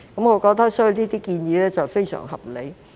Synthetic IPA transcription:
kɐ˨˥mŋɔː˨˧kɔː˧k̚t̪ɐ˥k̚sɔː˨˥˨wniː˥t̪iː˥kiː˧njiː˨˧lɛː˥t͡sɐ˨wfe˥jsœ̰ː˨˩ŋhɐ̰˨p̚lḛ˨˥j

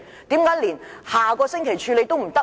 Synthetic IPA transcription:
t̪iː˨˥mkaː˨˥jliː˨˩nhaː˨kɔː˧sɪ˥ŋkʰe˨˩jt͡ʃʰyː˧le˨˧jt̪o˥wm̩˨˩t̪ɐ˥

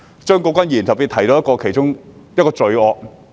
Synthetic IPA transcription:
t͡ʃœː˥ŋkoː˨˧˥kʷɐ˥njiː˨˩nt̪ɐ˨˩piː˨˧t̪̚ʰɐ˨˩jt̪o˧wjɐ˥tkɔː˧kʰe˨˩jt͡ʃʊ˥ŋjɐ˥t̚kɔː˧t͡sɵ˨˧ɥɔː˧k̚

